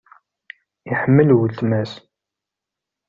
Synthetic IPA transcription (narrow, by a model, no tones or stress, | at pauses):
iħəmːəlwət̪mæs